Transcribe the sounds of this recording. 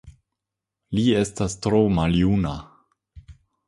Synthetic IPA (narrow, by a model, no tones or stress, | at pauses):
lie̞stastɾomaljuna